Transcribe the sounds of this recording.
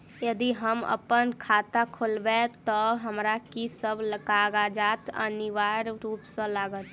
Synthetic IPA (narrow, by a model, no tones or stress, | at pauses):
jəd̪iɦəmə̰pənkʰaːt̪akʰolbet̪ɔɦəmɾakisəbləkaːɡad͡ʒaːt̪ə̰niʋaːɾɾuːpsə̃laːɡət̪